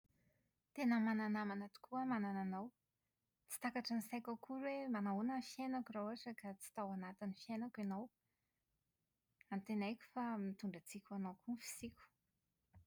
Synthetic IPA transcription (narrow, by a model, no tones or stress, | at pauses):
t̪enəmananamanat̪u̥kuəmanananow | t͡si̥t̪akaʈ͡ʂənisajkakʰuɾwemanaunənfjenakurowaʈ͡ʂəkat͡si̥t̪awanat̪inifjenakanow | ant̪enajkʲu̥famit̪uɳɖ͡ʐat͡sikʲanowkufi̥sikʲu̥